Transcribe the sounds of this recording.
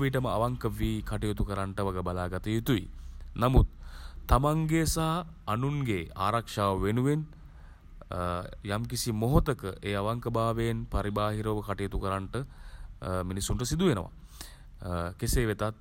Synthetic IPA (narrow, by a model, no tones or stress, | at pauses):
ʋiʈəməaʋaŋkəʋiːkaʈijot̪ukəɾaɳʈəʋaɡəbalaːɡat̪əjit̪uʋḭnamut̪̚ːamaŋɡesaɦaːnunɡeaːɾakʂaːʋʋenuʋen | jamkisimoɦot̪əkəʔeːaʋaŋkəbaːʋenpaɾibaːɦiɾəʋəkaʈijot̪ukəɾaɳʈə | minisːuɳʈəsid̪uʋenəʋa̰ | keseːʋet̪at̪̚